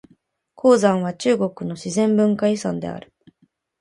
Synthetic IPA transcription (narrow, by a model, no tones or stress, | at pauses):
kʰo̞ːzãɰ̃β̞at͡ɕɨːɡo̞kɯ̟no̞ɕizẽ̞mbɯ̟̃ŋkaisãnd̪e̞̰a̰ɾɯ̟̥